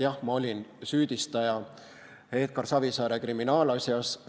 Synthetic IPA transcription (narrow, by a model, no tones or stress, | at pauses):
jɑhmɑo̞lʲinsyːd̪̥ist̪ɑjɑ | e̞ːt̪̚kɑrsɑvisɑːɾekriminɑːlɑsʲjɑs